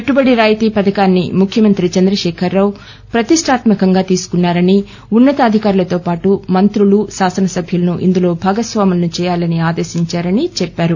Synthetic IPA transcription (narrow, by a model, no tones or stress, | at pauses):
pɐʈːubɐɽiɾaːjɐt̪iːpɐd̪ɐkaːnːḭmukʰjɐmɐnt̪ɾit͡ʃɐnd̪ɾɐʂɛːkʰɐɾːɐw | pɾɐt̪iʂʈʰaːt̪mɐkɐŋɡaːt̪iːsu̥kunːaːɾɐni | unːɐt̪ɐːd̪ʱikaːɾulɐt̪o̞ːpaːʈumɐnt̪ɾuluʃaːsɐnɐsɐbʱjulɐnuʔind̪ulo̞ːbʱaːɡɐsʋaːmulɐnut͡ʃɛːjaːlɐniaːd̪eːʃiɲt͡ʃaːɾɐnit͡ʃɛpːaːɾu